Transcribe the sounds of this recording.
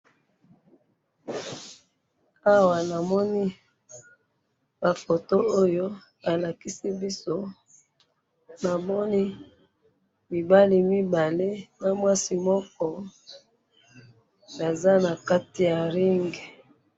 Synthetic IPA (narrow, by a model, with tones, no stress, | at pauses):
a˦wa˨na˨mɔ˦ni˦ | b̥a˨fo˨to˦o˦jo˦ | a˨la˨ki˦si˦bi˦so˦ | na˨mɔ˦ni˦ | mi˨ba˦li˨mi˦ba˨le˦na˨mwa˦si˨mɔ˦kɔ˦ | na˨za˦na˨ka˦ti˨ja˨ʁi˦ŋɡe˨